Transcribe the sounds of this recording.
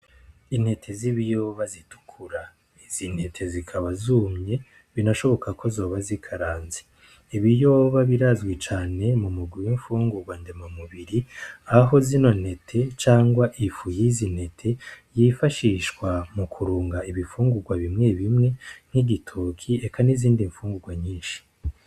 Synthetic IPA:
in̥he̞tʰe̞ziβijo̞βazitu̥kʰuɾa | iz̥inhe̞tʰe̞zikʰaβazuːmɲe̞ | βinaʃo̞βo̞kakʰo̞zo̞ːβazikʰaɾaːnze | iβijo̞ːβaβiɾazɡwet͡ʃaːne̞mumuɡwiwiɱfuːŋɡuɾɡwandemomuβiɾiaɦo̞zino̞ne̞tʰe̞t͡ʃaːŋɡwaʔifujizine̞tʰe̞jifaʃiʃɡwamukʰuɾuːŋɡaiβifuːŋɡuɾɡwaβimŋe̞βimŋe̞n̥hiɟitʰokʰiekaniziːndiɱfuːŋɡuɡwaɲiːnʃi̥

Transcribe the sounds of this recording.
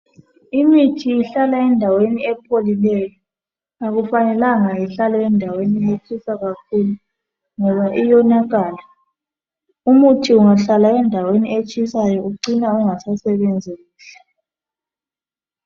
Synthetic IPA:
imitʰiiɬalaɛndʱaweniɛpʰolilɛjɔ | aɣufanɛlaŋaɛɬalɛɛndʱaweniet͡ʃʰʼisaɣakʰulu | ŋɔβaʔijɔnaɣaːla | umutʰiuŋaɬalaɛndʱaweniet͡ʃʼisajɔuǃinauŋasasɛβɛnd͡zʱiiːɬḁ

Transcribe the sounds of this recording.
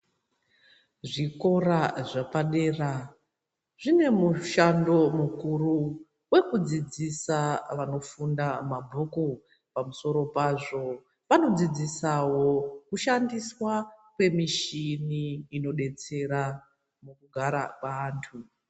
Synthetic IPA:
ʐiko̞ɾaʐapaɗe̞ːra | ʐine̞muʃando̞mukuru | we̞kud͡zid͡zisaʋano̞fundamabʱoku | pamuso̞ɾo̞paːʐo̞ | pano̞d͡zid͡zisawo̞kuʃandiswakwe̞miʃiniːno̞ɗe̞t͡se̞ɾa | mukuɡʱaɾa̰kwaːntʰu

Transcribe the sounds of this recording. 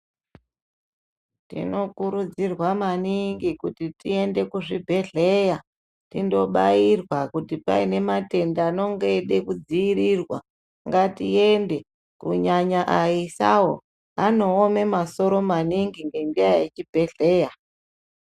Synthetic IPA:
tḭno̞kuɾud͡zirwamaniŋɡikutitie̞nde̞kuʐibʱe̞ɮe̞ja | tindo̞ɓairwakutipa̰ine̞mate̞ndaːno̞ŋɡe̞ɗe̞kud͡ziiɾirwa̰ | ŋɡatie̞nde̞ | kuɲaɲaʔaisawo | ano̞ːme̞maso̞ɾo̞maniŋɡiŋɡe̞ndiajjet͡ʃibʱe̞ɮe̞ːja

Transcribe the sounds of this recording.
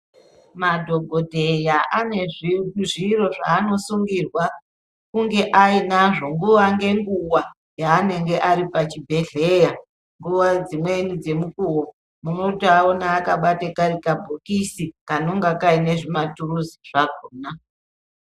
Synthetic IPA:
madʱo̞ɡʱodʱe̞jaʔane̞ʐiuʐiro̞ʐa̰ːno̞suŋɡirwa | kuŋɡe̞ʔainaʐo̞ŋɡuʋaŋɡe̞ŋɡuwa | jaːne̞ŋɡe̞ʔaɾipat͡ʃibʱe̞ɮe̞ja | ŋɡuʋad͡zimwenid͡ze̞mukuwo | muno̞tiaonaːkaɓatekaɾikabʱokisikano̞ŋɡakaine̞ʐimaturuziʐ̥aɡʱoːna

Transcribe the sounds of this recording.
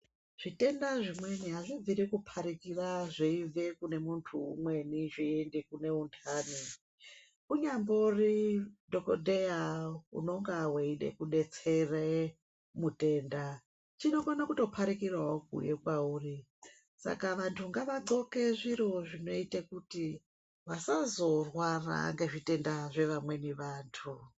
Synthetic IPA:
ʐ̥ite̞ndaʐimwe̞niɦaʐiviɾikupʰaɾikiraʐeivekune̞muntʰṵmwe̞niʐiendikune̞untʰaːni | kuɲamboridʱo̞kodʱeaṵno̞ŋɡaweiɗḛkuɗe̞t͡sere | mute̞ːnda | t͡ʃino̞konakuto̞pʰaɾikirwaok̚ṵjekwauːri | sa̰kaʋantʰuŋɡaʋaǃo̞ke̞ʐiro̞ʐino̞itekuti | ʋasazo̞rwara̰ŋɡe̞ʐite̞ndaʐe̞ʋamwe̞niʋaːntʰu

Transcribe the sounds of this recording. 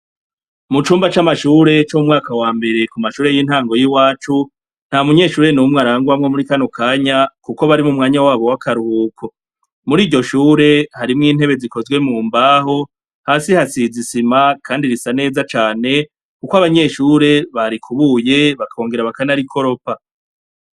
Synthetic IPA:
mut͡ʃuːmbat͡ʃamaʃuːɾe̞t͡ʃoumŋaːkawaːmbe̞ɾe̞kumaʃuːɾe̞jin̥haːŋɡo̞jiwaːt͡ʃu | n̥hamuɲe̞ʃuːɾe̞numŋaɾaːŋɡwamŋo̞muɾikanokʰaːɲakuko̞βaɾimumŋaːɲawaːβo̞wakaɾuuːkʰo | muɾiːɟo̞ʃuːɾe̞haɾimŋiːn̥he̞βe̞ziko̞zɡwe̞muːmbaːɦo̞ | haːsihasizisimakʰaːndiɾisane̞ːzat͡ʃaːne̞ | kukoaβaɲe̞ʃuːɾe̞βaɾikʰuβuːje̞βakao̞ːŋɡe̞ɾaβakanaɾikʰo̞ɾo̞pa

